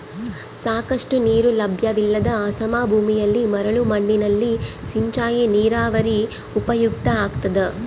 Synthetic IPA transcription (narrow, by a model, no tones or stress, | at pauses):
saːkɐʂʈuniːɾulɐbʱjɐʋilːɐd̪ɐaːsɐmaːbʱuːmijɐlːimɐɾɐɭumɐɳːinɐlːisiɲt͡ʃaːjeniːɾaːʋɐɾi | upɐjuk̚t̪ɐaːɡt̪ɐd̪e